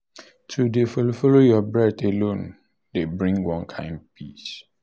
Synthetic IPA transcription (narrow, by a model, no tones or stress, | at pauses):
tʰudefɔlofɔlojɔbɹɛtelõn | debɹĩŋɡwɔ̃nkʰãɪ̃n̚pʰis